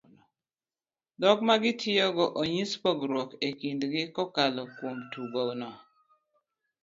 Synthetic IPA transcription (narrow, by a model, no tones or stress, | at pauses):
dɔkmaɡɪtʰɪɔɡɔʔoɲispɔɡɾwɔkekindɡɪkɔkalɔkwomtuɡɔnɔ